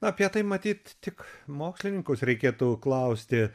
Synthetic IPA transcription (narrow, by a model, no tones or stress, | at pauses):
nʊɐpʲiɛt̪ɐɪmɐt̪ʲiːt̪t̪ʲɪkmoːksʲlʲɪnʲɪŋkʊsɾʲɛɪkʲeːt̪uːklˠɐʊsʲt̪ʲɪ